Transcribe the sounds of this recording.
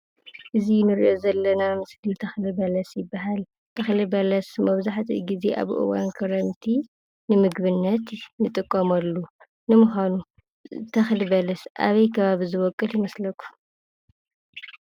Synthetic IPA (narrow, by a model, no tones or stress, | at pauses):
ʔɨzinɨɾḭʔozɐlːɐnamɨslit̪ʰɐxlɨbɐlɐsjɪbːaɦal | t̪ʰɐxlɨbɐlɐsmɐβzaħt̪ʰḭɡizeʔa̰βʔɨ̰wa̰nkʰɐɾɐnt̪ʰi | nɨmɨɡβɨnːɐt̪nɨt̪ʼɨkʼːomɐlːu | nɨmʊxanu | t̪ʰɐxlɨbɐlɐsʔa̰βɐjkʰɐβaβizɨβɔkʼːɨljɪmɐslɐkʰːu̥